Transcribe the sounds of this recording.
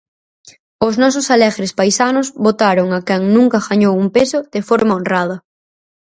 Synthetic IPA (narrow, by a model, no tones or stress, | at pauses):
oznɔs̬ʊsalɛɣɾespajsanʊzβot̪aɾoŋakɛŋnũŋkɐɣaɲowumpesʊðefoɾmaonrað̞ɐ